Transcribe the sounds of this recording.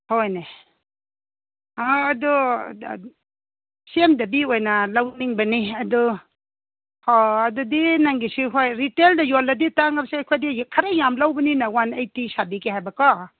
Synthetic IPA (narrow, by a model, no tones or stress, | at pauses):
hɔjne | aːdɔ | semdabiojnalawniŋbaniadɔ | hɔːdudinaŋɡisiɦojɾiteldajɔlːaditaŋabsjkʰadikʰaɾajamlawbaninawanajtisabikihajbakɔ